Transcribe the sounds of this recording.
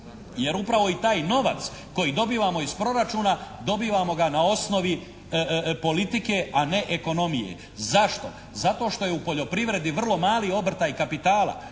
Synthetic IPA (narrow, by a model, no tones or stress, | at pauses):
je̞ɾupɾaʋo̞it̪aːjno̞ʋa̰t̪s | ko̞jid̪o̞biːʋamo̞izpɾo̞ɾat͡ʃuːnad̪o̞biːʋamo̞ɡanao̞sno̞ʋi | po̞lit̪ike̞ane̞ʔeko̞no̞mijḛ | zaʃt̪o̞̰ | zat̪o̞ːʃt̪o̞je̞upo̞ʎo̞pɾiʋɾe̞d̪iʋr̩lˠo̞maːlio̞br̩t̪aikapit̪aːlˠa̰